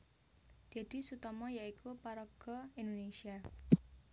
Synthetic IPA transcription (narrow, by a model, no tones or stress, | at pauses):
d̪̥ɛ̤d̪̥i̤sut̪ɔmɔjaikupaɾɔɡ̥ɔindonesia